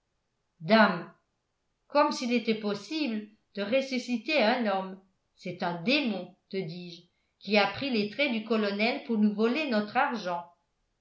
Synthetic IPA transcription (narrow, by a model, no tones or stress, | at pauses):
d̪am | kɔmsilet̪ɛpɔsiblə | d̪̥əʁesysit̪eɛ̃nɔm | sɛt̪ɛ̃d̪emɔ̃t̪əd̪iːʒ | kʲiapχilet̪χɛd̪ykɔlɔnɛlpuʁnuvɔlenɔt̪χaʁʒɑ̃